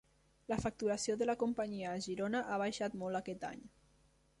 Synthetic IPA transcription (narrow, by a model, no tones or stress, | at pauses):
ləfak̚t̪uɾasioðələkumpəɲiəːʒiɾonəʔaβ̞ajʃat̪mɔlˠakɛt̪a̰ɲ